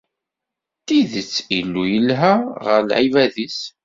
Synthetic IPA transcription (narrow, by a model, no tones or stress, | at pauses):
t̪iðət͡sːilːujəlɦæʁə̰ɾlʕivæðis